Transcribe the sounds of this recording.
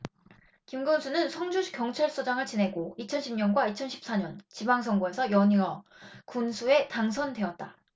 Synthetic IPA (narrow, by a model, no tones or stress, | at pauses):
kimɡɯnsʰunɯnsʰʌŋd͡ʑuɕʰi̥k͈jʌŋt͡ɕʰaɭs͈od͡ʑaŋɯɭt͡ɕinɦe̞ɡoit͡ɕʰʌnɕʰibɲʌnɡwait͡ɕʰʌnɕʰi̥p̚s͈aɲʌnt͡ɕibaŋs̬ʰʌŋɡoesʰʌjʌɲiʌkunsʰue̞taŋsʰʌndwe̞ʌt̚t͈a